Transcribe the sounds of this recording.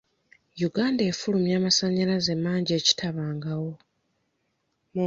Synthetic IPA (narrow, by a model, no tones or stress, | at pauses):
juɡaːnde̞ːfulumjaːmasaɲalaze̞mːaːɲɟe̞ːci̥tʰaβaːŋɡawo̞ | m